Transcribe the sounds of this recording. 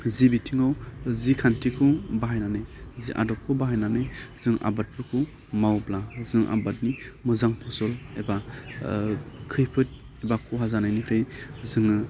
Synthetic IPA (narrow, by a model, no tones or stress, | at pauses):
zibitʰiŋɔwzikʰantʰikʰɯbaɦajnanejziʔa̰dɔp̚kʰɯwbaɦajnanejz̥ɯŋa̰bat̚pʰɯkʰɯ | mawblazɯŋʔa̰bat̚nimɯzaŋpʰɔsɔleba | kʰɯjpʰɯt̚ | ebakʰuɦazanajnipʰɾejzɯŋɯ